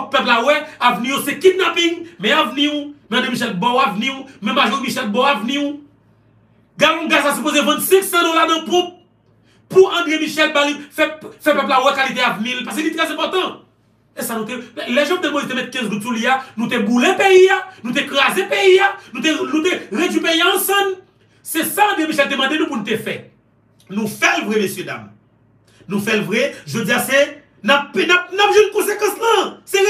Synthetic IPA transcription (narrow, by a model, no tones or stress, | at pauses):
pɛplawɛavnijosekid̪̚nãpĩŋmɛ̃avnimɛ̃ɐ̃d̪ʁemiʃ̬ɛlbɔ̃wavniumɛ̃maʒɔmiʃɛlbɔ̃avniu | ɡalɔ̃ɡasasyp̬ozevɛ̃t̪sɛ̃ksãd̪olanɐ̃pũp̚ | puɐ̃d̪ʁemiʃɛlbalifɛfɛpɛp̬lawɛkalit̪eavnilpaskelit̪ʁɛzɛ̃pɔt̪ɐ̃ | esanũt̪elɛʒãkũt̪emõlit̪emɛt̪̚kɛ̃zɡutsulianũt̪eɡulɛ̃peianũt̪̬ekʁazepeianũt̪enũt̪eʁed͡zipeiãːsɐ̃n | sɛsãd̪jemiʃɛlt̪emɐ̃d̪enũpunũt̪efɛ | nũfɛlvʁɛmesjød̪a̰m | nũfɛlvʁɛʒod͡zijase | napnap̚napʒɛnkõsekɑ̃slasɛ